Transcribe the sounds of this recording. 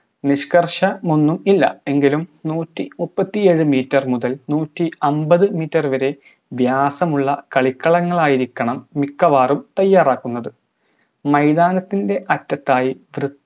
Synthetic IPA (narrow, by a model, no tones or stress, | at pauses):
niɕkɐrʂɐmunːumilːɐ̰e̞ŋɡilumnuːtːimupːɐt̪ːije̞ːɻɨmiːtːɐrmuðɐlnuːtːiɐmbɐðɨmiːtːɐruʋɐɾe̞ | ʋjaːsɐmuɭːɐkɐɭikːɐɭɐŋːɐɭaːjiɾikʲːɐɳɐmːikːɐʋaːrumt̪ɐjːaːraːkːunːɐðɨ | mɐjd̪aːnɐt̪ːinde̞ʔɐtːɐt̪ːaːjiʋrɨ